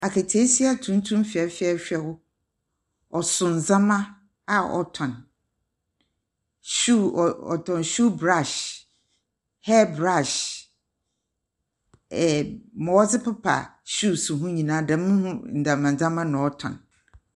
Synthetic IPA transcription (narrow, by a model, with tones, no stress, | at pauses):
a˨kʰe˨tʰe˦si˦a˨tʰũ˦n˦tʰũ˦mfi˨ɛ˨fɪ˦ɛ˦˨ɕᶣɛ˦wʊ˦ | ɔ˨sʊ̃˨n̩˨zã˦mã˦ | a˨ɔ̰˨tʰɔ̃˨n | ɕu˦˨ɔ̰˨tʰɔ̃˨nɕu˦bɾa˦˨ʃ | hɛ˦bɾa˦˨ʃ | ɛ˨mɔ̃˨wɔ˦sɪ˦pʊ˦pʰa̰˨ɕu˦˨sũ˨ɦũ˦ɲĩ˨nãː˦dã˨˦mʊ̃˦hʊ̃˦n̩˨dã˨mã˨d͡zã˦mã˦nʊ̃˨ɔ˦tʰɔ̰̃˨n